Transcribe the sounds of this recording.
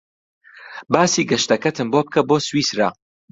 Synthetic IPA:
baːsiːɡɐʃt̪ɐkɐt̪ʰɨmboːp̚kʰɐboːswiːsɾa̰

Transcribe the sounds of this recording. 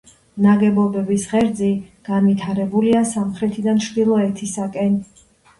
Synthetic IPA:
naɡɛbɔbɛbisʁɛɾd̪ziɡ̥anvit̪ʰaɾɛbuliasamχɾɛt̪ʰid̪anʃd̪ilˠɔɛt̪ʰisakʼɛn

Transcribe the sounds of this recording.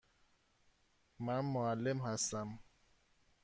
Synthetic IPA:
mænmoalːemhæst̪æm

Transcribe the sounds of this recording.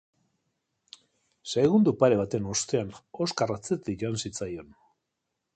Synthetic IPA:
sejɣund̪upaɾe̞β̞at̪e̞no̞st̪e̞ano̞skarat͡set̪iʝo̞ansit͡sajo̞n

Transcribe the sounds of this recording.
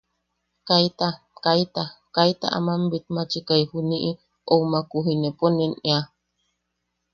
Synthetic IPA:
kait̪a | kajt̪akajt̪a̰ʔa̰mambit̪̚mat͡ʃikajhuniʔi | owmakuɦineponenea

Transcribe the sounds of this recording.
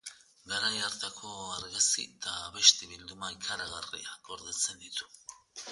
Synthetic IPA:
ɡaɾajaɾt̪akʰo̞aɾɣasḭt̪aβeʃt̪eβild̪umaikʰaɾaɣarḭaɡo̞ɾðet͡send̪it̪u̥

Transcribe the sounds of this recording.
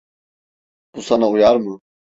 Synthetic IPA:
b̥usanaujaɾmɯ

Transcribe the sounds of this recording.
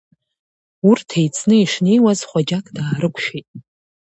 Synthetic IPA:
urtʰejt͡sʰnɨiʂne̞jwazχʷad͡ʒakʼdaːɾɨkʷʰʃᶣejtʼ

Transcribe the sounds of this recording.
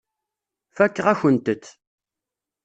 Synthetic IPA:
fækːəʁæçənt̪ət͡sː

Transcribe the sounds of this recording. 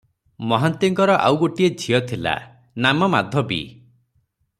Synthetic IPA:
mɔɦant̪iŋkɔɾɔʔa̰wɡoʈied͡ʒʱijɔt̪ʰila̰ | namɔmad̪ʱɔbḭ

